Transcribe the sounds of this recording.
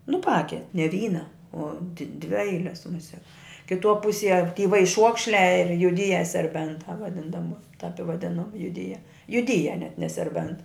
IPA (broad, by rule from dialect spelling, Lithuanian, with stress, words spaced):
nʊ ˈpɑːkʲɛ nʲɛ ˈʋʲiːnɐ oː t dʲʋʲɪ ˈɛɪlʲɛs mʊˈsʲɛk kʲɪˈtuɔ ˈpʊsʲiɛ tʲiː ʋɐɪˈʃuɔkʃʲlʲæː ɪr jʊˈdʲiːjɛ sʲɛrʲˈbʲɛntɑː ʋɐˈdʲɪn dɐˈbɐ tɐp ɪ ʋɐˈdʲɪnʊ jʊˈdʲiːjɛ jʊˈdʲiːjɛ nʲɛt nʲɛ sʲɛrʲˈbʲɛnt